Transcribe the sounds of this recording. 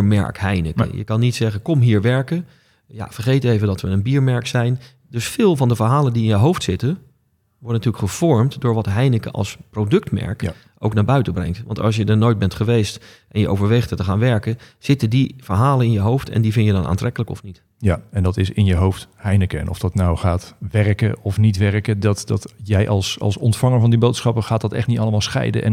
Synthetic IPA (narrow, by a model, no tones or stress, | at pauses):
ɹmɛ̰ɹkɦɛjnə̰kə̰jə̰kɑnːitsɛχənkɔmɦiːɹʋɛɹkə | ja̰vəɹχejtejvədɑtʋəənbiːɹmɛɹksɛjn | dɵsfɪːlˠvɑndəvəɹɦaːlˠəndiɪnjəɦowftsɪtə | ʋɔɹdənətyːɹləkχəv̥ɔɹmtdʊːɹʋɑtɦɛjnəkə̰ʔɑ̰lˠsprowdɵktmɛ̰ɹk | ʔowknaːɹbœɥtəbrɛ̰ŋktʋɑ̰ntɑ̰lˠs̬jədənojt̚bɛntχəʋejst | ʔɛnjəʔo̰wvəɹʋejχtətəχaːnʋɛɹkəz̥ɪtədiv̥əɹɦaːlənɪnjəɦowftʰɛ̰ndivɪnjədɑnʔa̰ːntrɛkələkɔ̰fnit | jaɛndɑtɪsɪnjəɦowfthɛjnəkəɛ̰nʔɔ̰fd̥ɑtnawχaːtʋɛrkə̰ɔfnitʋɛrkədɑtdɑtjɛjʔɑlˠsɑ̰lˠsɔntfɑŋəɹvɑndibowtsχɑpəχaːt̚dɑtɛ̰χtnitɑləmaːlˠsχɛ̰jdə̰ʔɛ̰n